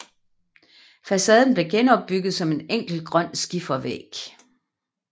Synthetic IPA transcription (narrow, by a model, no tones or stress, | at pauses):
fæsɛð̞ˠn̩b̥le̝ɡ̥enɒ̽b̥ːyɡ̥ð̞̩ˠsɒ̽me̝neŋ̰ɡ̥l̩ɡ̥ʁɶn̰sɡ̥ifɐʋḛɡ̥